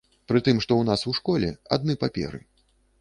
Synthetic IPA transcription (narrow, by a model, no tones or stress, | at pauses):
pɾɨt̪ɨmʂt̪ɔwnasuʂkɔlʲɛa̰d̪̚nɨpapʲɛ̰ɾɨ̰